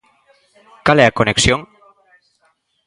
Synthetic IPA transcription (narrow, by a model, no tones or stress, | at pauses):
kalɛakoneksjoŋ